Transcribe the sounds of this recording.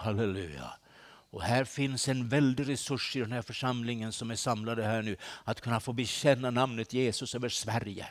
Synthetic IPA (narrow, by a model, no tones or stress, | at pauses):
halɛlʉ̰ːja̰ | ɔhæːɾfɪnsɛnvɛld̪ɪɾɛsɵʂːɪd̪ɛnhæːɾfœʂamlɪŋənsɔmæʂamlad̪əhæːɳʉ̟ːat̪kʰɵnːafoːbɛɕɛnːanamnət̪jeːsɵsøːvəʂvæɾjə̰